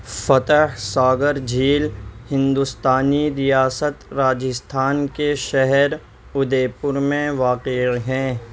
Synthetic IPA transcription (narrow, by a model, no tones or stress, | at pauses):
fɐt̪əɦsaːɡəɾd͡ʒiːlhɪ̃nd̪ʊst̪aːniɾɪjaːsət̪ɾaːd͡ʒəst̪ʰaːnkeʃɛɦɛɾ | ʊd̪eːpʊɾmẽʋaːqɪɦɛ̃ː